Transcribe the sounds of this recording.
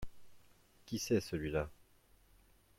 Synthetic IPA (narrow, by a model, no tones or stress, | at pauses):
kʲisɛsəlɥila